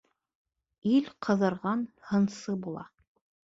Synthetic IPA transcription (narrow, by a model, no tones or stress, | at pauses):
ilqʰɤ̆ðɤ̆ɾʁɑnhɤ̆nsɤbulˠɑ